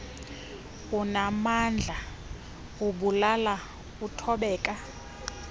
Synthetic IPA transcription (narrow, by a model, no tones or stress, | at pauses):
unamand͡ɮʱa | uɓulala | utʰɔɓɛːkʼa